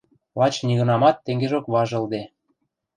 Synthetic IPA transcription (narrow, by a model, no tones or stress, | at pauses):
lɑt͡ɕniɣɤ̆nɑmɑt̪ːeŋɡeʒokβɑʒɤ̆ld̪e